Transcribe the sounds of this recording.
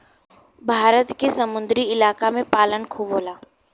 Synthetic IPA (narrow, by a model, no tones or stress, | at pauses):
bʱaːɾət̪kesɐmʊ̃nd̪ɾiɪlaːkamẽpaːlənkʰuboːlaː